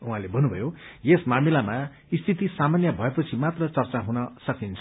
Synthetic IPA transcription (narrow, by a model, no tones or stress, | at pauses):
uɦãlebʱʌnːubʱʌjojesmamilama | ist̪ʰit̪isamanjʌbʱʌepʌt͡sʰimat̪rʌt͡sʌrt͡saɦunʌsʌkint͡sʰʌ